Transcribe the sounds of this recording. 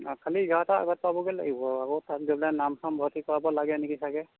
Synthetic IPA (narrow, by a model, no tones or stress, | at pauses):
kʰaliɡaataa̰ɡɔt̚pabɔɡɛla̰ɡibɔakɔtat̚ziblanamsʰɔmbʱɔtikɔɹabɔlaɡɛnekisaɡɛ